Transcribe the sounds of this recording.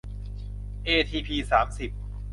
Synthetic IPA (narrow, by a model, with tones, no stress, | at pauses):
ʔeː˧t̪ʰiː˧pʰiː˧saː˩˦msi˨˩p̚